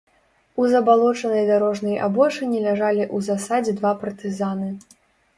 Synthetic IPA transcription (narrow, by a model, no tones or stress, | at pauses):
uzɐbalˠɔt͡ʂɐnɐjd̪aɾɔʐnɐja̰bɔʂɨnʲilʲaʐalʲiʔuzasad͡zʲɛd̪vapɐrt̪ɨzanɨ